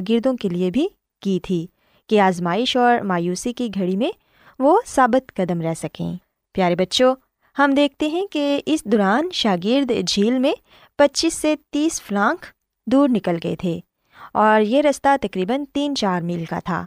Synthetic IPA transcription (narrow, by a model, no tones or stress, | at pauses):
ɡɪɾd̪õkeliebʱi | kit̪ʰiː | kiaːzmaːɪʃɔːɾmaːjuːsikiɡʱɐɽimẽ | ʋosaːbɪt̪kɐd̪əmɾɛɦsɐkḛ̃ː | pjaːɾebɐtːʃo | hɐmd̪eːk̚ʰt̪eɦɛ̃keɪsd̪ɔːɾaːnʃaːɡɪɾd̪d͡ʒʱiːlmẽ | pɐtːt͡ʃiːsːet̪iːsflãːŋk | d̪uːɾnɪkəlɡɐḛt̪ʰeː | ɔːɾjeɾɐst̪at̪ɐkɾiːbənt̪iːnt͡ʃaːɾmiːlka̰t̪ʰa̰ː